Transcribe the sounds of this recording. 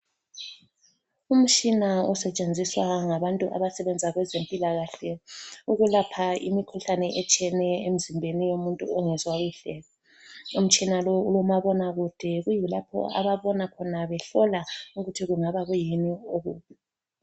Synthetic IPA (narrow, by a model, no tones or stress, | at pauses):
um̩t͡ʃʼinaɔsɛt͡ʃʼend͡zʱiswaŋaβantʼuʔa̰βasɛβɛnd͡zʱaɣwɛzempʼilaɣaɬɛuɣulapʰaḭmikʰuɬanɛʔɛt͡ʃʼiɛnɛem̩zimbʱenijomuntʼṵɔŋɛzwaɣuɬɛːlɔ | um̩t͡ʃʼinalɔulɔmaβɔnaɣud̥ʱɛɣujilapʰɔ̰a̰βaβɔnakʰɔnaβɛɬɔlauɣutʰiɣuŋaβaɣujenioɣuːβi